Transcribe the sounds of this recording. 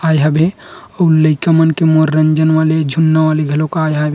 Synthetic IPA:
ajɦabʱeəuləjkamənkemoɾːɐɲd͡ʒənʋaled͡ʒʱunːaʋaleɡʱɐlokajɦabʱ

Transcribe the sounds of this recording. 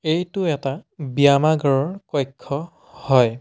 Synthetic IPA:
ejtʊɛtabiamaɡɔɹɔɹkɔjkʰːɔ | hɔj

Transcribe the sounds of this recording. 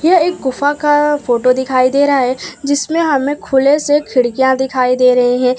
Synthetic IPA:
jɐeːkːʊfakafoːʈod̪ɪkʰaːid̪eːɾɐɦaɦɛːd͡ʒɪsmẽɦɐmẽkʰʊlesekʰɪɽkijãd̪ɪkʰaːid̪eːɾɐɦeɦɛ̃ː

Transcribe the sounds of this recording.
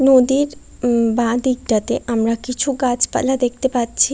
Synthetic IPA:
nod̪iɾ | bãd̪iɡɖat̪eʔamɾakit͡ɕʰuɡat͡ʃpa̰lad̪ek̚ʰt̪epatːt͡ʃʰi

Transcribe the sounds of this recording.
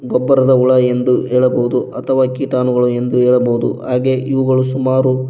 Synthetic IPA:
ɡɔbːɐɾɐd̪ɐuɭɐe̞nd̪ueːɭɐboɦud̪uɐt̪ʰɐʋaːkiːʈaːnuɡɐɭue̞nd̪uɦɛːɭɐboɦud̪ṵɦaːɡe̞ʔiʋuɡɐɭusumaːɾu

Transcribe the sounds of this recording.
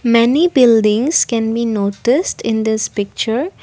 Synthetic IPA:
mɛnibɪlɖɪ̃ŋskɛ̃nbinotɪsʈʰɪ̃nd̪ɪspɪk̚t͡ʃəɾ

